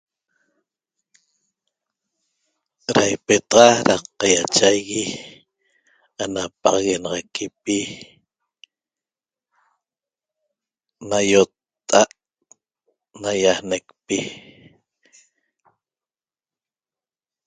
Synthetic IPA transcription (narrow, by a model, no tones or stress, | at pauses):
ɾajpet̪ɑʁɑɾaqɑjat͡ʃajɣi | anapɑ̰ʁɑɣenɑʁɑkʰipi | najot̪ː | aʔ | najahne̞kpi